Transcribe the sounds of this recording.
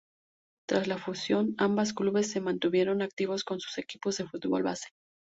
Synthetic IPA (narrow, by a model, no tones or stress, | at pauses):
t̪ɾazlafusjo̞nambaskluβe̞sːe̞mãnt̪uβ̞je̞ɾo̞nak̚t̪iβo̞sko̞nsu̥se̞kipo̞zðe̞fut̪βo̞̰lβase̥